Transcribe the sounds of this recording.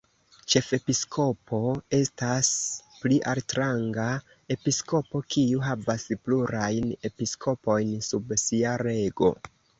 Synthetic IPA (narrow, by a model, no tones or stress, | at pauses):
t͡ʃe̞fe̞piskʰo̞pʰo̞e̞staspliʔaltɾaŋɡa | e̞pisko̞po̞kʰiuɦavaspluɾajne̞piskʰo̞po̞jnsubsiaɾe̞ɡo̞̰